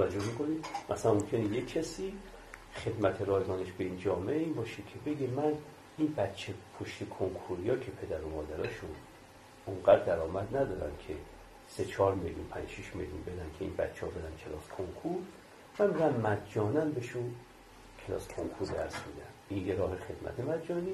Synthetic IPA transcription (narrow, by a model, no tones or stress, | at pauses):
æd͡ʒohmikʰo̞nid̪mʔæsæænmomkʰenejekʰːæsiː | χe̞d̪mæt̪ʰeɾɒːzɒːneʃbeind͡ʒɒːmeʔeiːnbɒːʃekʲʰe̞be̞ɡemæn | inbæt̪t͡ʃʰepʰoʃt̪ʰekʰoŋkʰuɾijɒːkʰe̞pʰe̞d̪æɾomɒːd̪æɾɒːʃun | ʔuŋɡæd̪d̪æɾɒːmæd̪næd̪ɒːɾæ̰nkʰe | se̞t͡ʃʰɒːɾmeljunpʰæ̰nd͡ʒʃiʃmḛljunbed̪ænkʲʰeḭnbæ̰t̪t͡ʃʰːehɒbed̪ænkʰe̞lɒːskʰoŋkʰuɾ | mænbed̪ænmæd̪d͡ʒɒːnæmbeʃu | kʰelɒ̰ːskʰo̰ŋkʰuɾd̪æɾsmḭd̪æminjeɾɒːhexe̞d̪̥mæ̰t̪ʰemæd̪d͡ʒɒːni